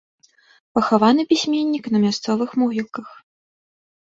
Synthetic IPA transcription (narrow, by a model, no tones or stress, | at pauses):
pɐxavanɨpʲisʲmʲenʲːiknɐmʲast̪sɔvɨxmuɣʲilkɐx